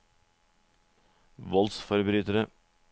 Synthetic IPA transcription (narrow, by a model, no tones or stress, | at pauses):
ʋɔlsfɔɾbɾyːt̪əɾə